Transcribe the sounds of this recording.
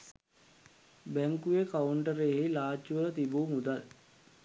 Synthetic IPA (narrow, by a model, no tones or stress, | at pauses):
bæŋkujekauɳʈəɾeɦejlaːt͡ʃːuʋələt̪ibuːmud̪al